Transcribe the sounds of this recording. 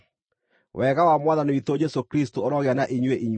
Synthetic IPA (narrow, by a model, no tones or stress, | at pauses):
wʔɛɣawamwaðaneit̪od͡ʑɛsokɾistooɾɔɣeanaʔiɲweʔiɲw